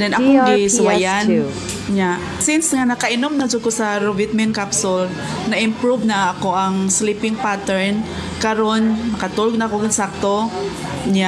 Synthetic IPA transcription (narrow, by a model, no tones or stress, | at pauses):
d̪ɛnʔɐkoɡɪsʊwajan | ɲaʔ | sinsŋanɐkɐʔɪnomnɐd͡ʒokosɐɾovɪt̪̚mɛnkapsʊl | nɐʔɪmpɾuvnɐɐkoʔɐŋslipɪŋpat̪ɛɹn | kɐɾonːɐkɐt̪uɾoɡ̚nɐkoɡɪnsak̚t̪o | ɲa